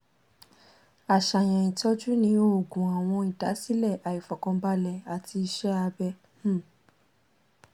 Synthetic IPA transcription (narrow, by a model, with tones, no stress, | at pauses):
a˨ʃa˨j̃ɛ̃˨ĩ˨tɔ˧˦d͡ʒu˦nĩ˨˧˦o˦˨ɡũ˨a˨w̃ɔ̃˧i˨da˨˦si˦lɛ˦˨ʔa˨i˨fɔ˨kɔ̃˧˦ba˧˦lɛ˧˨a˨ti˧i˧ʃɛ˦a˧bɛ˧˦